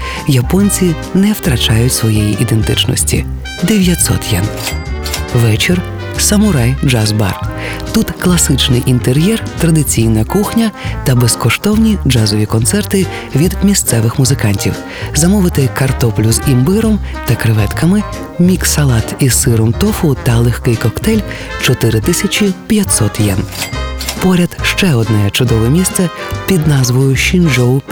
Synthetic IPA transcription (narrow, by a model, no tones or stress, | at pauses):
jɐpɔnʲt͡sʲi | nɛwt̪ɾɐt͡ʃɑjʊtʲsʋɔjejiʔid̪ent̪ɪt͡ʃnɔ̰sʲtʲḭ | d̪eʋʲjɐt̪sɔ̰t̪jɛn | ʋɛt͡ʃɪr | sɐmʊɾajd͡ʒazba̰r | t̪ut̪klˠɐsɪt͡ʃnɪjʔint̪eɾʲjɛrt̪ɾɐd̪ɪt͡sʲijnɐkuxnʲɐt̪ɐbeskɔʃt̪ɔwnʲid͡ʒazɔʋʲikɔnt̪sɛrt̪ɪ | ʋʲid̪mʲist̪sɛʋɪxmʊzɪkɑnʲtʲḭw | zɐmɔʋɪt̪ɪkɐrt̪ɔplʲʊzimbɪɾɔmt̪ɐkɾɪʋɛt̪kɐmɪ | mʲiksɐlˠɑt̪isɪɾɔmt̪ɔfʊt̪ɐlˠɪxkɪjkɔkt̪ɛlʲ | t͡ʃɔt̪ɪɾɪt̪ɪsʲɐt͡ʃʲipʲjɐt̪ʲsɔt̪jɛn | pɔɾʲɐd̪ʃt͡ʃɛɔd̪nɛjɛt͡ʃʊd̪ɔʋɛmʲist̪sɛpʲid̪nɑzʋɔjʊʃind͡ʒɔw